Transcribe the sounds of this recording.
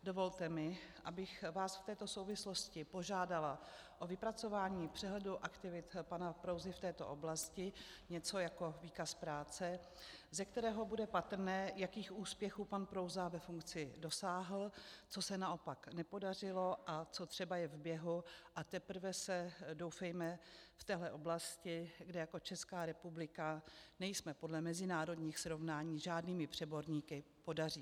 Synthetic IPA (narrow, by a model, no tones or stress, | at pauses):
dovo̞lt̪ɛmɪʔabɪxvaːsft̪ɛːt̪osowvɪslo̞scɪpo̞ʒaːdala | ʔo̞vɪpɾat͡so̞vaːɲiːpr̝̥ɛɦlɛduʔakt̪ɪvɪt̪panapɾo̞wzɪft̪ɛːt̪o̞̰ʔo̞blascɪ | ɲɛt͡so̞jako̞viːkaspɾaːt͡sɛ | zɛkt̪ɛɾɛːɦo̞budɛpat̪ɾ̩nɛːjakiːxʔuːspjɛxuːpanpɾo̞wzavɛfuŋkt͡sɪdo̞saːɦl̩t͡so̞sɛnao̞paknɛpo̞dar̝ɪlo̞ʔat͡so̞t̪r̥ɛbajɛvbjɛɦuʔat̪ɛpɾ̩vɛsɛdo̞wfɛjmɛft̪ɛːɦlɛʔo̞blascɪɡdɛjako̞t͡ʃɛskaːɾɛpublɪkanɛjsmɛpodlɛmɛzɪnaːɾo̞dɲiːxsɾo̞vnaːɲiːʒaːdniːmɪpr̝̥ɛbo̞ɾɲiːkɪpo̞dar̝iː